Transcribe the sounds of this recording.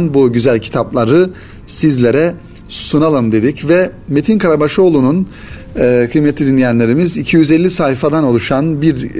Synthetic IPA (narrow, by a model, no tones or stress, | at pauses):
nbuɟyzælʲcʰi̥t̪ʰaplˠaɾɯ | sizlʲe̞ɾɛ | sunalˠɯmd̪e̞d̪icvɛme̞t̪ʰinkʰaɾabaʃoːlˠununː | kʰɯjmet̪ʰʲːid̪inlʲijænlʲe̞ɾimizicʰijyzɛlʲːisaːfad̪ano̞lˠuʃanbiɾ